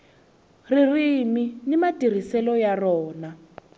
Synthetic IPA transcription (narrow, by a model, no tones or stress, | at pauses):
ririminimatir̤isɛlɔjarɔːna